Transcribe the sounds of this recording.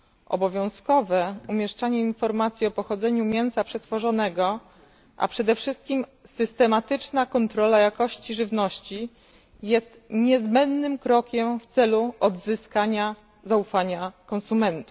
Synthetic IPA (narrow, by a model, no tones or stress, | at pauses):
ʔɔ̰bɔvʲjɔ̃w̃skɔvɛumʲjɛʂt͡ʂaɲɛinfɔɾmat̪sʲjiɔpɔxɔd̪zɛɲumʲjɛw̃sapʂɛt̪fɔʐɔnɛɡɔ | ʔa̰pʂɛd̪ɛfʂɘst̪̚kʲimsɘst̪ɛmat̪ɘt͡ʂnakɔnt̪ɾɔlajakɔɕt͡ɕiʐɘvnɔɕt͡ɕi | jɛst̪ɲɛzbɛnd̪nɘmkɾɔkʲɛmft̪sɛluɔd̪zɘskaɲa | zaufaɲakɔnsumɛnt̪u̥f